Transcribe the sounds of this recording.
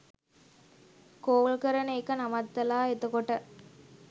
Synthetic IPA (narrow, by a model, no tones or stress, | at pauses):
koːɭkɐɾɐnɐjkːɐnɐmɐt̪ːɐlaːet̪ːɯkoʈːɐ